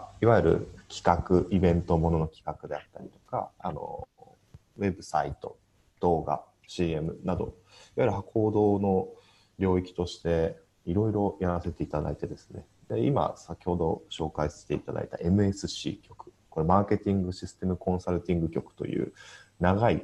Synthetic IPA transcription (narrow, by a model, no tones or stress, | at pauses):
iβajiɾɯ̟̰kʲi̥kakɯ̟ʔibẽ̞nt̪o̞mo̞no̞nokʲi̥kakɯ̟d̪e̞at̪ːaɾʲit̪o̞ka̰a̰no̞̰ | we̞bɯ̟sait̪o̞̰ | d̪̥o̞ːɡa̰ | ɕiːe̞mɯ̟nad̪o̞̰ | iβajiɾɯ̟hakʰo̞ːd̪o̞ːno̞ | ɾʲo̞ːikʲi̥t̪o̞ɕi̥t̪e̞ | iɾo̞iɾo̞jaɾase̞t̪e̞it̪ad̪a̰it̪e̞d̪e̞sɨ̥ne̞̰ | d̪e̞ima̰sakʲi̥ho̞d̪o̞ɕo̞ːkaisḁse̥t̪e̞it̪ad̪a̰it̪a̰ʔe̞mɯ̟e̞sɨɕḭːkʲo̞kɯ̟̥ko̞ɾemaːke̞t̪ʲĩŋɡɯ̟ɕisɨ̥t̪e̞mɯ̟kõ̞ɰ̃saɾɯ̟t̪ʲĩŋɡɯ̟kʲo̞kɯ̟̥t̪o̞̰jɯ̟̰ːnaɡai